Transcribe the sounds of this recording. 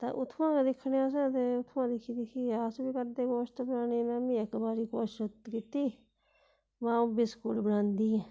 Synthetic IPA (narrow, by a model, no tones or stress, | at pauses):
t̪a̰ːʔʊt̪ʰːʋãːked̪ɪkʰːɽeːãːs̬ɛ̃ːt̪eʊt̪ʰʋãːd̪ɪkʰːiːd̪ɪkʰiːaːsbiːkəɾd̪eːkoːʃt̪abənaːniːmɛ̃ːmĩːəkbaːɾiːkoːʃət̪kit̪iː | mãːũbɪskʊlbənãːnd̪ĩː